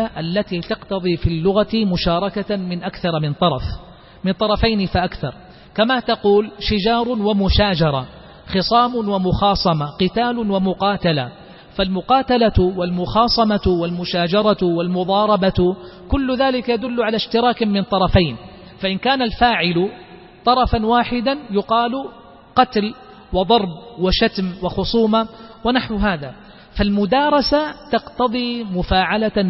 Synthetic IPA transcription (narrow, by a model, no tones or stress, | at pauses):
ʔalːat̪iːt̪ɑqt̪ɑðˤiːfilːʊɣat̪mʊʃɑːɾˤɑkamɪnʔakθɑɾˤmɪnt̪ˤɑɾˤɑf | mɪnt̪ˤɑɾˤɑfajnɪfaʔakθɑ̰ɾˤ | kamat̪ɑquːlʃɪd͡ʒɑːɾˤwamʊʃaːd͡ʒɑɾˤɑ | xɨsˤɑːmʊnwamʊxɑːsˤɑmaqɪt̪aːlwamʊqɑːt̪ala | falmʊqɑːt̪alawalmʊxɑːsˤɑmawalmʊʃaːd͡ʒɑɾˤɑwalmʊðˤɑːɾˤɑbakʊlːʊðaːlɪkajad̪ʊlːʕalaʃt̪ɪɾˤɑːkmɪnt̪ˤɑɾˤɑfajn | faʔɪnkaːnalfaːʕɪlʊ | t̪ˤɑɾˤɑfanwaːħɪd̪anjʊqɑːlʊ | qɑt̪l | wɪd̪ˤɑɾˤb̚wɪʃat̪mwɪxʊsˤuːmawɪnaħwɦaːða | falmʊd̪ɑːɾˤɑsat̪ɑqt̪ɑðˤimʊfaːʕala